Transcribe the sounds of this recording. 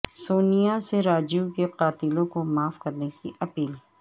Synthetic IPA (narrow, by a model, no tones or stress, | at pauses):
soːnijaseɾaːd͡ʒijukeqaːt̪ɪlõkomaːfkɐɾnekiʔɐpiːl